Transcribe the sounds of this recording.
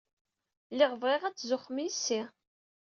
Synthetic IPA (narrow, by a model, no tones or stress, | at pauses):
lɪʁəvʁɪʁæt͡sːzʊχːmijsːi